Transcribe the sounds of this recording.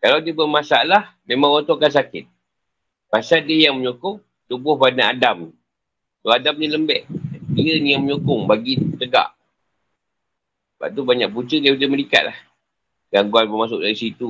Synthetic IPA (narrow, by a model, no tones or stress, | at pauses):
kalawdiəbəmasaalahmemãŋwɔnt̪ɔkans̬akɪt̪̚ | pasadiəjaŋməɲukʊŋ | t̪ubʊhbanaadam | soadamniləmbɛʔdiənijaŋməɲukʊŋbaɡit̪əɡa̰ʔ | b̥a̰ʔ̚t̪ubaɲaʔ̚put͡ʃədiudəməlika̰t̪̚lah | ɡaŋɡuanbəmasʊk̚daɾisit̪u